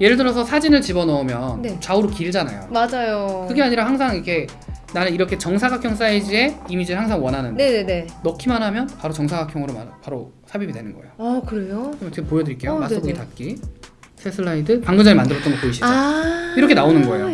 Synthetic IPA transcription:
je̞ɾɯɭdɯɾʌsʰʌsʰad͡ʑinɯɭt͡ɕibʌnʌumjʌnnet͡ɕauɾokiɭd͡ʑana̰jo̰mad͡ʑajokɯɡeaɲiɾahaŋsʰaŋikʰe̞ | nanɯniɾʌkʰet͡ɕʌŋsʰaɡakʰjʌŋs̬͈aid͡ʑie̞imid͡ʑiɯɭhaŋsʰaŋwʌnɦanɯnenene̞ːʌkʰimanɦamjʌnpaɾot͡ɕʌŋsʰaɡakʰjʌŋɯɾoma̰paɾo | sʰabibidwe̞nɯnɡʌ̰ejoakɯɾejokɯɾɯmʌtʰekʰepojʌduɾik͈ejomaɯɡoɡitat̚k͈isʰesʰɯɭːaidɯpaŋɡɯd͡ʑʌŋemandɯɾʌt͈ʌnɡʌpoiɕʰiaiɾʌkʰe̞naonɯnɡʌejo

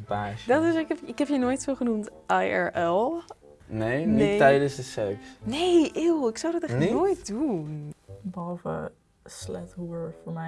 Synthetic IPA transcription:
baːʃdɔtɪsɪkɛpɪkɛpjənoːjtfɪlˠχənumtʔajɛ̰ɹʔɛlˠ | nejnieɛjdənzdəsɛksnejʔɪlˠɪksawdɑtɛnoːjt̚dunbəɑlˠfə̰ | slɛthuɹfɔnɛ

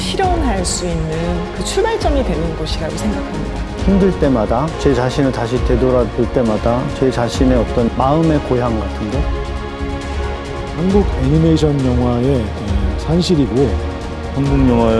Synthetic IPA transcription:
ɕʰiɾjʌŋɦaɭs͈uinːɯnkɯt͡ɕʰubaɭt͡ɕ͈ʌŋidwe̞nɯnɡʌɕʰiɾaɡosʰe̞ŋɡakʰamɲida | himdɯɭt͈e̞madat͡ɕet͡ɕaɕʰinɯɭtaɕʰitedoɾadoɭt͈e̞madat͡ɕet͡ɕaɕʰine̞ʌt͈ʌnmaɯme̞koɦjaŋɡatʰɯndo | hanɡuɡeɲime̞ɕʰʌnjʌŋɦwae̞tʌsʰanɕʰiɾiɡo | pʌmbuŋjʌŋwa

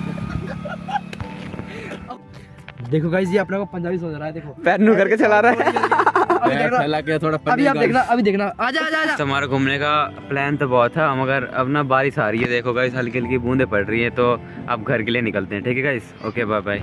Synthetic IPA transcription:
d̪eːkʰoːɡaːis̬iapnãkopəɲd͡ʒaːʋiːsõːnaːɾaːɛːd̪eːkʰoːpɛːnnũːkəɾkeːt͡ʃəlaːɾaː | əbiːeːknaɛlaket̪ʰoːɽapəbiaːd̪eːknaəbĩːd̪eːkʰnaːaːd͡ʒaːd͡ʒaːaːt̪maːɾeɡʱʊmnekaːplɛːnt̪obɔːt̪ɦɛməɡəɾə̰pnaːbaːɾiːsaːɾiɛːd̪eːkʰoːɡaːisəlkɪlkibũːnd̪eːpəɽɾəiːɦɛ̃ːt̪oː | a̰ːp̚ɡʱəɾkelieːnɪkəlt̪eɛ̃ːʈʰiːkeːɡaːis | oːkeːbaːbaːiː

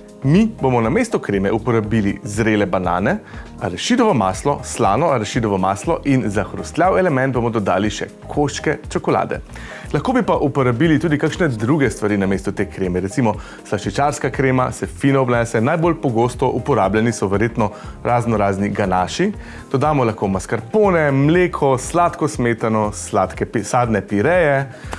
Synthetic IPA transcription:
mibomɔnamest̪ɔkɾeːmɛupɔɾabilizɾelɛbana̰ːnɛ | a̰ɾɛʃid̪ɔʋɔmaːslɔslaːnɔaɾɛʃid̪ɔʋɔmaːslɔʔinzaxɾust̪lʲjawɛlɛmɛ̃nt̪bomɔd̪ɔd̪a̰ːliʃɛ̰ | kʰoʃkɛt͡ʃɔkɔla̰ːd̪ɛ̰ | laxkoːbipaʔupɔɾabiːlit̪uːd̪ikaːkʃnɛd̪ɾuɡɛst̪ʋaɾiːnameːst̪ut̪eːkɾeːmɛɾɛt̪simɔ | slaʃit͡ʃaːɾskakɾeːma̰sɛfiːnɔːbnɛːsɛnajbolpɔɡoːst̪ɔʔupɔɾaːblʲjɛnisɔʋɛɾjeːt̪nɔɾʔaːznɔɾaːzniɡanaːʃi | d̪̥ɔd̪aːmɔlaxkomaskaɾpoːnɛmleːkʰɔslat̪kɔsmeːt̪anɔslat̪kɛsaːd̪nɛpiɾɛːjɛ

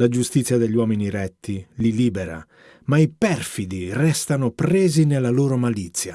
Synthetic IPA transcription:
lad͡ʒust̪it̪sːjad̪eʎːwɔːminiɾɛt̪ʰːililiːbɛɾa̰ | maipɛrfid̪irɛst̪anopɾɛːzinelːaloːɾomalit̪sːja

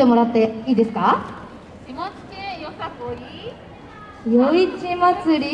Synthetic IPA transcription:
e̞moɾat̪ːaiːd̪e̞sɨ̥ka | kimot͡si̥kẽjosakoɾʲi | joit͡ɕimat͡sɨɾʲi

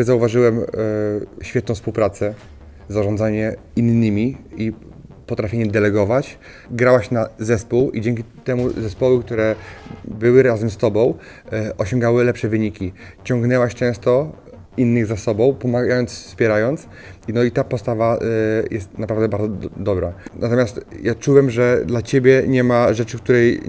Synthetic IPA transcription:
zauvaʐɘwɛm | ɕfʲɛt̪nɔ̃w̃fspuwpɾat̪sɛ | zaʐɔ̃nd̪zaɲɛ | inːɘmʲii | pɔt̪ɾafʲeɲɛd̪ɛlɛɡɔvat͡ɕ | ɡɾawaɕnazɛspuwid͡ʑɛŋkʲit̪ɛmuzɛspɔwɘk̚t̪uɾɛbɘwɘɾazɛmst̪ɔbɔ̃w̃ | ʔɔɕɔ̃ŋɡawɘlɛpʂɛvɘɲikʲi | t͡ɕɔ̃ŋɡnɛwaɕt͡ʂɛ̃w̃st̪ɔ | inːɘɣzasɔbɔ̃w̃pɔmaɡajɔnt̪sfspʲjɛɾajɔnt̪s | nɔit̪apɔst̪avajʔɛst̪napɾavd̪ɛbaɾd̪zɔd̪ɔbɾanat̪ɔmʲast̪jat͡ʂuwɛmʐɛd̪lat͡ɕebʲjɛɲɛmaʐɛt͡ʂɘkt̪uɾɛj

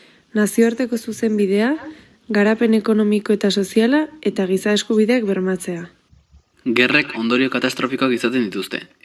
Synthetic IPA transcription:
nasioaɾt̪e̞ko̞suse̞mbið̞e̞a | ɣaɾape̞ne̞ko̞no̞miko̞e̞t̪aso̞sialae̞t̪aɣ̞isae̞skuβ̞iðe̞akbe̞ɾmat͡se̞a | ɡe̞re̞kʰo̞nd̪o̞ɾio̞kat̪ast̪ɾo̞fiko̞akisat̪end̪it̪ust̪e̞̰

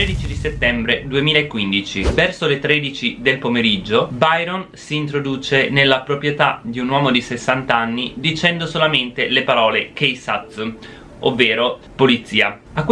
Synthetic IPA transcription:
ɾed̪it͡ʃid̪iset̪ːɛmbɾed̪uemiːlaekːwind̪it͡ʃivɛrsolet̪ɾeːd̪it͡ʃid̪elpomeɾid͡ʒːobajɾonsiːnt̪̬ɾod̪uːt͡ʃenelːapɾopɾjet̪ad̪iunwɔːmod̪isesːant̪aanːid̪it͡ʃɛnd̪osolament̪elepaɾɔːlekejsat̪s | ovːeːɾo | polit̪sːiːa̰ | akːw

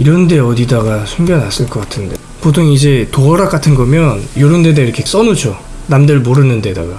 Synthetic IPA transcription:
iɾʌnde̞ʌdidaɡasʰumɡjʌnas͈ɯɭk͈ʌk͈atʰɯnde̞ | potʰoŋid͡ʑe̞toʌɾak͈atʰɯnɡʌmjʌnjoɾɯnde̞daiɾʌkʰe̞s͈ʌnud͡ʑo | namdɯɭmoɾɯnɯnde̞da̰ɡa

